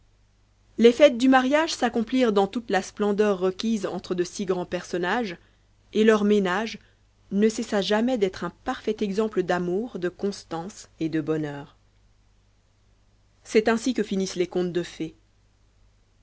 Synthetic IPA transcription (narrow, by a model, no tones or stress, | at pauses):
lɛfɛt̪̚d̪ymaʁjaʒsakɔ̃pliʁd̪ɑ̃t̪ut̪lasplɑ̃d̪œʁːəkʲizɑ̃t̪χəd̪əsiɡʁɑ̃pɛʁsɔnaʒ | elœʁmenaʒ | nəsɛsaʒamɛd̪ɛt̪χɛ̃paʁfɛt̪ɛɡzɑ̃pləd̪amuʁd̪əkɔ̃st̪ɑ̃sed̪əbɔnœːʁ | sɛt̪ɛ̃sikəfinislɛkɔ̃t̪̚d̪əfɛ